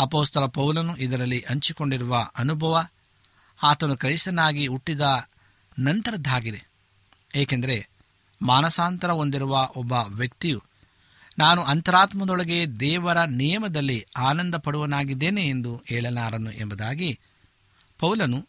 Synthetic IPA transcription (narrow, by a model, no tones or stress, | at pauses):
ɐpoːst̪ɐlɐpɐwlɐnuʔid̪ɐɾɐlːiʔɐɲt͡ʃiko̞ɳɖiɾuʋɐʔɐnubʱɐʋɐ | aːt̪ɐnukɐjisɐnaːɡiuʈːid̪ɐ | nɐnt̪ɐɾɐd̪ʱːaːɡid̪e | eːkend̪ɐɾe | maːnɐsaːnt̪ɐɾɐo̞nd̪iɾuʋɐʔɔbːɐʋjɐkt̪iju | naːnuɐnt̪ɐɾaːt̪mɐd̪ɔɭɐɡe̞d̪ɛːʋɐɾɐnijɐmɐd̪ɐlːiaːnɐnd̪ɐpɐɽuʋɐnaːɡid̪ːeːneːnd̪uhɛːɭɐnaːɾɐnuʔembɐd̪aːɡi | pɐwlɐnu